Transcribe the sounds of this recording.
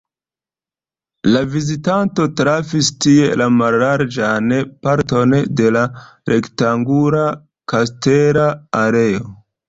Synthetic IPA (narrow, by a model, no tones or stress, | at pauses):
lavizitanto̞tɾafistie̞lamalːaɾd͡ʒanpaɾto̞nde̞la | ɾʔe̞ktaŋɡuɾa | kasteɾaaɾe̞o